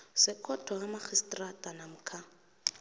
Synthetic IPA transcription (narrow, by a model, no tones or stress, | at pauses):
sɪkʰɔtʰɔɣamaχʰistʼratʼanam̩kʰa